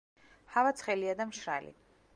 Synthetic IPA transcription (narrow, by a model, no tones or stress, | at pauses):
havat̪sʰχɛliad̪amʃɾa̰lḭ